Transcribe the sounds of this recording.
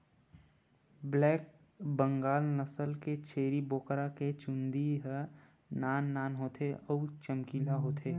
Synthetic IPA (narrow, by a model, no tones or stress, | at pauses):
blɛːk̚ | bə̃ŋɡaːlnəsəlket͡ʃʰeːɾiboːkɾaket͡ʃũnd̪iɦə | naːnːaːnɦoːt̪ʰeɔːt͡ʃəmkiːlaɦoːt̪ʰeː